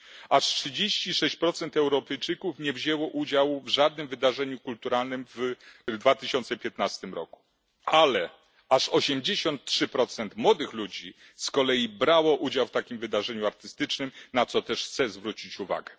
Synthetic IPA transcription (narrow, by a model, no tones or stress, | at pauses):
aʂtʂɘd͡ʑeɕt͡ɕiʂɛɕt͡ɕpɾɔt̪sɛnt̪ɛwɾɔpɛjt͡ʂɘkufɲɛvʑɛwɔʔud͡ʑawvʐad̪̚nɘmvɘd̪aʐɛɲukult̪uɾalnɘmvd̪vat̪ɘɕɔnt̪sɛpʲjɛt̪nast̪ɘmɾɔ̰ku̥ | alɛ | aʂɔɕɛmd͡ʑeɕɔnt̪̚tʂɘpɾɔt̪sɛnt̪mwɔd̪ɘxlud͡ʑi | skɔlɛjibɾawɔʔud͡ʑawft̪akʲimvɘd̪aʐɛɲuaɾt̪ɘst̪ɘt͡ʂnɘmnat̪sɔt̪ɛʂxt̪sɛzvɾut͡ɕit͡ɕuva̰ɡɛ